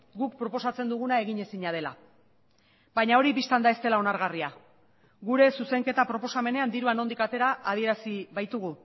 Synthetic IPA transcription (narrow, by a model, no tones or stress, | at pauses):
ɡuk̚pɾo̞po̞sat͡se̞nd̪uɣ̞unae̞ɣiɲe̞siɲað̞e̞la̰ | bajɲao̞ɾipist̪and̪ae̞st̪e̞lao̞naɾɣaria | ɣuɾe̞suse̞ŋke̞t̪apɾo̞po̞same̞ne̞and̪iɾuano̞nd̪ikat̪e̞ɾaːðie̞ɾasiβajt̪uɣu